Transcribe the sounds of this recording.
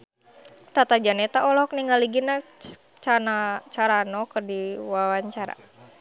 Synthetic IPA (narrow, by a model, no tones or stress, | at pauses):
t̪at̪ad͡ʒanɛt̪aʔɔlɔk̚niŋaliɡina | t͡ʃanat͡ʃaɾanɔkərdiwawaɲt͡ʃaɾa̰